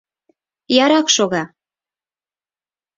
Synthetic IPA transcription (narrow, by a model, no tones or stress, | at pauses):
jɑɾɑkʃoɣɑ